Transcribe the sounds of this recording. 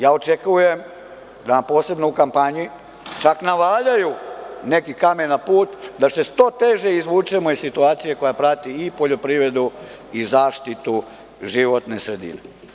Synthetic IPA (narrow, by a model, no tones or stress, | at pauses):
jaːo̞t͡ʃe̞kuje̞m | d̪aampo̞ːse̞bnoukampaɲi | t͡ʃaknaʋaːʎajune̞kikamenapuːt̪d̪ase̞st̪o̞t̪e̞ʒeizʋuːt͡ʃemo̞issit̪uaːt̪sije̞ko̞japɾat̪iːpo̞ʎo̞pɾiːʋɾe̞d̪u | izaːʃt̪it̪u | ʒiʋot̪ne̞sɾe̞d̪ḭnḛ